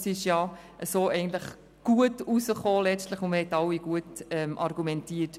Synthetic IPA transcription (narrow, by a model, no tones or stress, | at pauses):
sɪʃjɑ | ʔəsoːɛɪɡən̩t̪ləχ | ɡ̥uətusəχoːlɛt͡stləχʊnməhɛtɑwiɡ̥uətɛmʔɑɾɡumɛntiət